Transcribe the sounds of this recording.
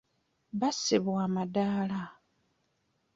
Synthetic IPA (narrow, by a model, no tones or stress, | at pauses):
βasiβwaːmadaːla